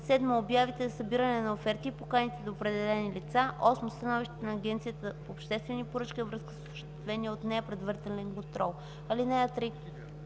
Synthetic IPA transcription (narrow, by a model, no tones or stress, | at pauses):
sɛd̪məobjavit̪ɛzɐsɐbiɾənɛnɐofɛɾt̪ipokanit̪ɛd̪oopɾɛd̪ɛlɛnilit̪saʔɔsmost̪ɐnɔviʃt̪nɐːɡʲɛnt̪sijət̪əpoːpʃt̪ɛst̪vɛnipoɾɤt͡ʃkivɾɤskə̥sosəʃt̪ɛ̥t̪vɛniəot̪nɛpɾɛd̪vəɾit̪ɛlɛnkont̪ɾɔlˠ | ɐlinɛət̪ɾi